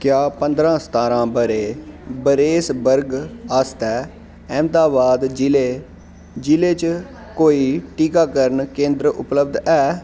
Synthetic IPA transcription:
kjaːpənd̪ɾãːst̪aːɾãːbəɾeːbəɾeːsbəɾɡəst̪ɛː | ɛ̃ːmt̪aːbaːd̪d͡ʒɪleː | d͡ʒɪleːt͡ʃ | koːiːʈiːkaːkəɾəɳkẽːnd̪ɾəʔʊ̰pləb̚d̪ɛː

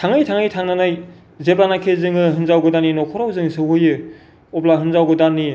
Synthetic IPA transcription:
tʰaŋɯjtʰaŋɯjtʰaŋnanaj | zebanakʰezɯŋɯɦɯnzawɡɯdanːinɔkʰɔɾawzɯŋsɯɦɯjɯ | ɔplaɦɯnzawɡɯdanːi

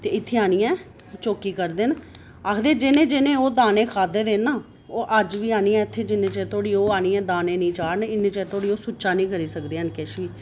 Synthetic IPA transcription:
t̪eːɪt̪ʰːeːaːniːɛ̃ː | t͡ʃoːkiːkəɾd̪ɪn | akʰd̪eːd͡ʒɪnẽːd͡ʒɪnẽːoːd̪aːneːkʰaːd̪eːd̪eːnaː | oːʔəd͡ʒʋiːaːniːãːɪt̪ʰːeːd͡ʒɪnẽːt͡ʃɛːt̪ʰoːɽiːoːaːniːɛ̃ːd̪aːnẽːnĩːt͡ʃaːɽnɪnːẽːt͡ʃɛːt̪ʰoːɽiːoːsʊt͡ʃaːnĩːkəɾiːsəkd̪eːɦənkɛːʃiː

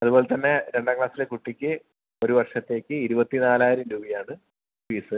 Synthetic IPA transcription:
ɐðubo̞ːle̞t̪ɐnːe̞ɾe̞ɳɖaŋkɭaːsilekuʈːikʲːɨ | o̞ɾuʋɐrʂɐt̪ːe̞ːkʲːɨiɾubɐt̪ːinaːlaːjiɾɐmɾuːbɐjaːɳɨ | ʋiːsɨ

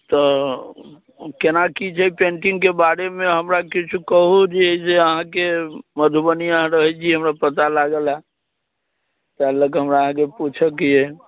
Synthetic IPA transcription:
t̪ɔ | kenakit͡ʃʰɛpeɳʈiŋkebaɽemeɦəmɾakit͡ʃʰukəɦud͡ʒeeiseəɦãkeməd̪ʱubənijəɦãɾəɦɛt͡ʃʰiɦəmɾapət̪̬alaɡela | t̪ɛɦləkɦəmɾaəɦãkeput͡ʃʰəkiɛ

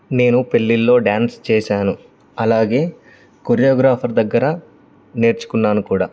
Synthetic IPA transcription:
ne̞ːnupe̞ɭːilːo̞ːɖaːnst͡ʃɛːʃaːnu | ɐlaːɡe̞ː | koɾijoːɡɾaːpʰɐɾd̪ɐɡːɐɾɐ | ne̞ːɾt͡ʃu̥kunːaːnukuːɽaː

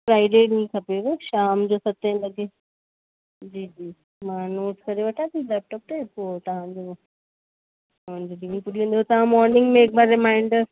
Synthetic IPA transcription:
fɾaːɪɖenĩkʰɐpeʋeʃaːmd͡ʑoːsɐt̪ẽnlɐɡe | d͡ʑiːd͡ʑiː | mãːnoːʈkɐɾeʋɐʈʰat̪ilɛːp̚ʈɔːp̚t̪epoːt̪ɐʋ̤ãd͡ʑoː | ʋãd͡ʑolɪ̃ŋpʊɗiẽnd̪ot̪ɐʋ̤ãmɔːɾnɪ̃ŋɡmẽːkbaɾɪmaːɪ̃ɳɖ

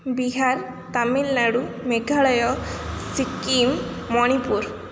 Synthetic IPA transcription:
biɦaɾ | t̪amilnaɽu | meɡʱaɭɔjɔsikimː | ɔɽ̃ipuɾ

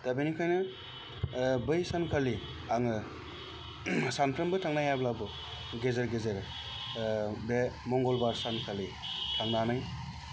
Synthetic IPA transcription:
d̥abinikʰajnɯ | bɯjsankʰali | aŋɯ | sanpʰɾɯmbɯtʰaŋnajablabɯ | ɡezeɾɡezeɾ | bemɔŋɡɔlbaɾsankʰali | tʰaŋnanaj

